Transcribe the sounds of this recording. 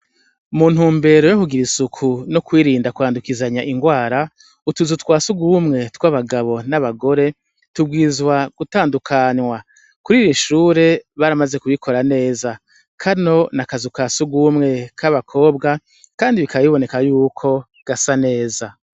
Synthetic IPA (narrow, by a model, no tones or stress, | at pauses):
umuːn̥huːmbe̞ɾojokuɡiɾisukʰunokwiːɾiːndakuaːndukizaɲaʔiŋɡwaːɾa | utuzutwaːsuɡumŋe̞tkwaβaɡaβo̞naβaɡo̞ɾe̞ | tubɡiːzwaɡ̥utaːndukʰanwa | kuɾiːjiʃuːɾe̞βaɾamaze̞kuβikʰo̞ɾane̞ːza | kʰano̞nakazukaːsuɡumŋe̞kʰaβakʰo̞ːbɡa | kaːndiβikaβaβiβo̞ne̞kajuːkʰo̞ | ɡ̥asane̞ːza